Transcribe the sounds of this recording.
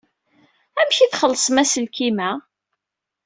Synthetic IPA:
æmçiθχəlːəsˤmæsəlkimæ

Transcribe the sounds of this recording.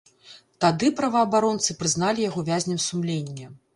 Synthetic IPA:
t̪ad̪ɨpɾɐvɐːbaɾɔnt̪sɨpɾɨznalʲijaɣɔvʲazʲnʲɛmsumlʲenʲːɐ

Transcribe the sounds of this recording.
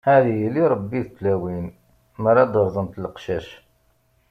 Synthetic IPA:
hæðijliɾˤbːiθt̪læwin | məɾɑd̪əɾˤðˤənt̪lqʃæʃ

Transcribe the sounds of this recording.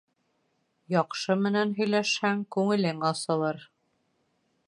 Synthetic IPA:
jɑqʃɤmɘ̆nænɦɵ̆jlæʃhæŋkʉŋɘ̆lɘŋɑsɤ̆lˠɤɾ

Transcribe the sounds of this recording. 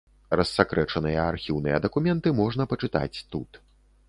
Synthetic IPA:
ɾɐsːakɾɛt͡ʂɐnɨjɐarxʲiwn̪ɨjɐd̪ɐkumʲɛnt̪ɨmɔʐnɐpɐt͡ʂɨt̪a̰t͡sʲt̪ut̪

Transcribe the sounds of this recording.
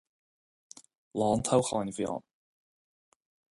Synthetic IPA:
lˠɔːnt̪ʰawχɔnvjɔ̰ːn

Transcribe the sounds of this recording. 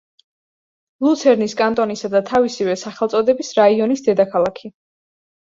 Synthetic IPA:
lˠut̪sʰɛɾniskʼant̪ʼɔnisad̪at̪ʰavisivɛsaχɛlˠt̪sʼɔd̪ɛbisɾaiɔnisd̪ɛd̪akʰalˠakʰi

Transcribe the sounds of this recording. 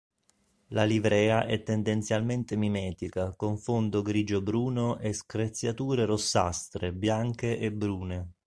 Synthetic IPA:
lalivɾɛːaʔɛt̪ːend̪ent̪sjalment̪emimɛːt̪ikakoɱfond̪oɡɾiːd͡ʒobɾuːnoʔeskɾet̪sːjat̪uːɾerosːa̰st̪ɾebjaŋkeʔebɾuːne

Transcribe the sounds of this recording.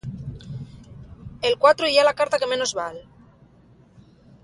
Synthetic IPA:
elkwat̪ɾoialakaɾt̪ake̞mẽ̞nozβal

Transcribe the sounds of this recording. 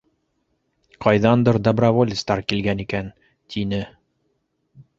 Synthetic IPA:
qɑjðɑnd̪ɤɾd̪obrɐvolʲɪst̪ɑɾkilɡænikæn | t̪ʰinɘ

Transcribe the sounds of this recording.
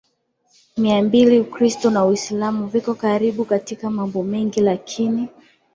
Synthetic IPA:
miambiliukɾistɔnauislamuvikɔkaɾiɓukatikamambɔmɛŋɡilakʰini

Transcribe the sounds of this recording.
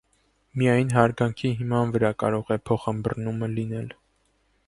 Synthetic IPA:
mijɑjnɦɑɾɡɑŋkʰiɦimɑnvəɾɑkɑ̰ɾɔʁɛpʰɔχəmbərnuməlinɛl

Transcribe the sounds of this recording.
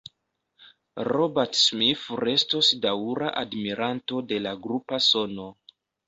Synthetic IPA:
robaɾtsmifɾe̞stosdaɾaʔadmiɾʔanto̞de̞laɡɾupaso̞no̞

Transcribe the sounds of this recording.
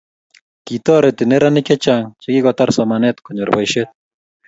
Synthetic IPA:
kit̪oɾet̪ineɾaniket͡ʃaŋt͡ʃekikot̪aɾsamanet̪koɲoɾbajʃet̪̚

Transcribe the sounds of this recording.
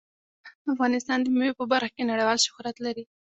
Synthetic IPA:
afɣɑnɪst̪ɑnd̪əmiwepəbaɾxḁkenaɽajwɑlʃʊ̥hɾat̪laɾi

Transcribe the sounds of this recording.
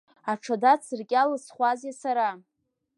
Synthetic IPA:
aʈ͡ʂʰadat͡sʰɨrkʲʼalɨsχʷazjasaɾa

